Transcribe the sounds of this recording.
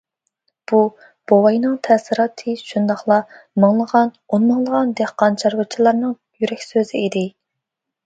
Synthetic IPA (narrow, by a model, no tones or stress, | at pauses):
b̥u | b̥owɑjnɨŋt̪ʰɛsɨɾɑːt̪ʰɨʃund̪ɑχlˠɑmɑŋlˠəʁɑn | onmɑŋlˠəʁɑnd̪ehqɑnt͡ʃʰɑɾwɨt͡ʃʰilˠɑɾnɨŋ | jyɾɛkʲsøzɪid̪ɪ